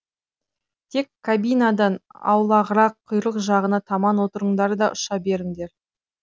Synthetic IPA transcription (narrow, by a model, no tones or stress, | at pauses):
t̪ʰe̞kʰːabijnɑd̪ɑnɑ̰wlˠɑʁəɾɑqʰːʊjɾˠəqʒɑʁənɑt̪ʰɑmɑnwo̞t̪əɾəɴd̪ɑɾd̪ɑʔʊʃɑbe̞ɾɪŋd̪e̞ɾ